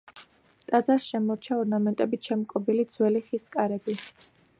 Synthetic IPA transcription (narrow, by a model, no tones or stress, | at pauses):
t̪ʼad̪zaɾsʃɛmɔɾt͡ʃʰaɔɾnamɛnt̪ʼɛbit͡ʃʰɛmɔkʼɔbilid̪zwɛliχiskʼaɾɛbi